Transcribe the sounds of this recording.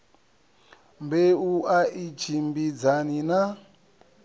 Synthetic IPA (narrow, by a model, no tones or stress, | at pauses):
mbeuaʔit͡ʃʰimbid͡zanina